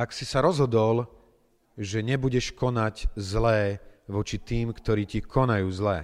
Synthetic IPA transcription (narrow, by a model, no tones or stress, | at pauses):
aksisaɾɔzɦɔd̪ɔl | ʒɛɲɛbuɟɛʃkɔnaɟzlɛːʋɔt͡ʃit̪iːmkt̪ɔɾiːcikʰɔnajuːzlɛ̰ː